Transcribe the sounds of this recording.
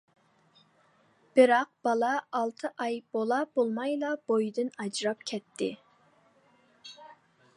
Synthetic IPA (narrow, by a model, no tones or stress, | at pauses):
b̥ɪɾɑq̚b̥ɑlˠɑːlˠt̪ʰɨʔɑjb̥olˠɑb̥olˠmɑjlˠɑbojd̪ɪnɑd͡ʒɾɑp̚kʲʰɛt̪ʰːɪ